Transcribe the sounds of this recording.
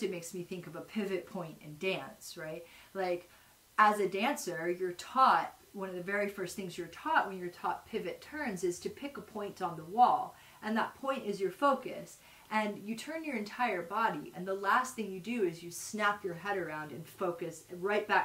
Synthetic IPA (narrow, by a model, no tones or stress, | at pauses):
ɨmeɪksmiθɪ̃ŋkʌvəpʰɪvɨt̚pʰɔ̃ɪ̃ntɨ̰̃ndæ̃nsɹaɪt̚laɪk | əzɨdæ̃nsə˞jə˞tʰɔt̚wʌ̃ñʌvðɨvɛɹifɜ˞st̪̚θɪ̃ŋzjə˞tʰɔʔ̚wɨ̃njə˞tʰɔt̚pʰɪvɨtʰɜ̃˞nzɨz̥tʰɨpʰɪkəpʰɔ̃ɪ̃ntn̩ðəwɔlˠ | ʔɨ̃nðət̚pʰɔ̃ɪ̃ntɨzjə˞foʊkɨ̰s | ʔɨ̃njɨtʰɜ̃˞njə˞ɨ̃ntʰaɪə˞bɑɾiʔɨ̰̃nðəlæst̪θɪ̃ŋjɨdɨɪzjɨsnæpʰjə˞ɦɛɾə˞ãʊ̃ndɨ̰̃nfoʊkɨsɹaɪt̚b̥æk